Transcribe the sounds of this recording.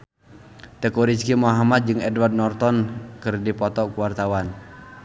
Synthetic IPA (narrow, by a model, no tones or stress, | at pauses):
t̪ɛkuɾiskimoɦamat̪̚d͡ʒɨŋɛdward̚nɔrt̪ɔnkɨrdipɔt̪ɔkuwart̪awan